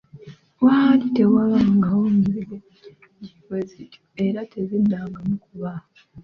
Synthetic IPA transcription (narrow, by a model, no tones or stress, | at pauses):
wahalite̞waβaːŋɡawomɡiɾe | ɟifwezitʰu̥e̞ɾatʰezidːaːŋɡamukuβa